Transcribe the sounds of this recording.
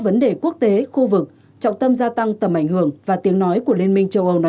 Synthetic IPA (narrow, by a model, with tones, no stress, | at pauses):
və˨˦nɗe˨˩ku˦˥ək̚t̪e˨˦xu˧vɨ˨˩k̚ | t͡ɕɔ̰˧˨wŋ͡mt̪ə˧mzaː˧t̪a˧ŋt̪ə˨˩mʔa˧˩jŋ̟hɨ˧˩əŋvaː˨˩t̪i˨˦əŋnɔ˨˦jku˧˩əli˧nmï˧ŋ̟t͡ɕə˧wʔə˧wn˨˦